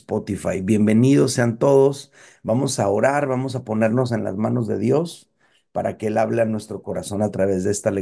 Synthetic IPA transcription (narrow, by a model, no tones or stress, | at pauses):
spot̪ifa̰jbje̞mbe̞nið̞o̞sːe̞ant̪o̞ð̞o̞s | bamo̞sao̞ɾaɾβamo̞s̬apo̞ne̞ɾno̞s̬e̞nla̰zmano̞zðe̞̰ðjo̞s | paɾa̰ke̞e̞laβlenːwe̞st̪ɾo̞ko̞ɾaso̞nat̪ɾaβe̞zðeest̪ale